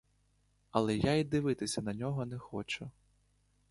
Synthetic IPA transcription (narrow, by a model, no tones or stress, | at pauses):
ɐlˠɛjaid̪ɪʋɪt̪ɪsʲɐnɐnʲɔɦɔnɛxɔt͡ʃʊ